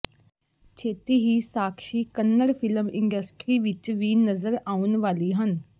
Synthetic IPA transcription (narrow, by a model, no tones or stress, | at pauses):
t͡ʃʰeːt̪iːɦiːsaːkʰʃiːkənːəɾpʰɪləmɪ̃ɳɖəsʈɾiːʋɪt͡ʃʋiːnəzəɾaːunʋaːliːɦən